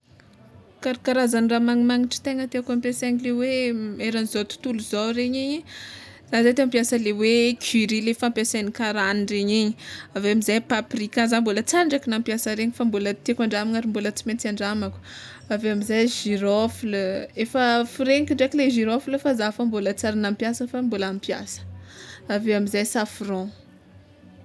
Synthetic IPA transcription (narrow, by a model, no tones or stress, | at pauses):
kaɾikaɾazaniramaŋimaŋiʈ͡ʂə̥t̪eŋət̪eakampjaseɲileweeɾanizat̪u̥t̪uluzawɾeɲiɲi | z̥azajt̪eampjasəlewekʰiɾilefampjasanikaɾanireɲiɲiaveamizajpaprikazambolət͡saɳɖ͡ʐakinampjasəɾeɲifambolət̪ekʷaɳɖ͡ʐamiŋaɾimbolət͡simet͡siaɳɖ͡ʐamaku̥ | aveamizajʒiɾofulefəfuɾeɲikʲiɳɖ͡ʐakileʒiɾofulfazafambolət͡saɾinampjasəfambolamipija̰sə̥aveamizajsafrɔ̃